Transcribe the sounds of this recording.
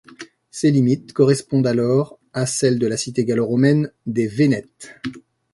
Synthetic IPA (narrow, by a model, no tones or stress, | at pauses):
selimit̪̚kɔʁɛspɔ̃d̪alɔʁ | asɛld̪əlasit̪eɡaloʁɔmɛnd̪evenɛt̪